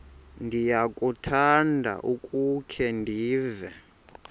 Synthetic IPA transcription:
ndʱijakʼutʰandʱa̰ʔukʼukʰɛndʱiːvɛ

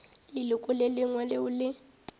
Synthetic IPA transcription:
lɪlʊkʼʊlɪlɪŋwalɪʊlɪ

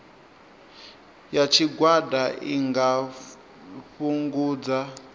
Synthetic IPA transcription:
jat͡ʃʰiɡwadaʔḭŋɡa | ɸuŋɡuːd͡za

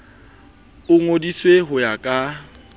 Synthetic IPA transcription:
ʊŋodisweɦʊjakʼa

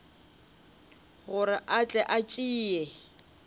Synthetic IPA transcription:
ɣʊɾɪʔat͡ɬʼɛʔat͡ʃʼiːjɛ

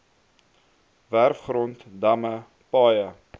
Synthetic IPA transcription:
værfχrɔntdɐmə | pɑːjə

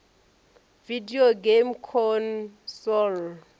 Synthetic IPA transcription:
vidioɡemkʰɔnsɔl

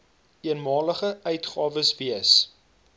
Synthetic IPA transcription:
iənmɑːləχəœɥtχɑːvəsviəs

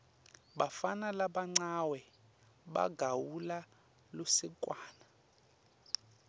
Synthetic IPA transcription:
ɓafanalaɓaŋ͡ǀawɛ | ɓa̰ɡʱawula | losikʼwaːna

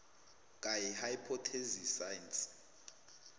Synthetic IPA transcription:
kʼajihaipʰɔtʰezisajnsʼ

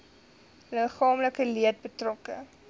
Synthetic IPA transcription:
ləχɑːmləkəliət̚bətrɔkə̰

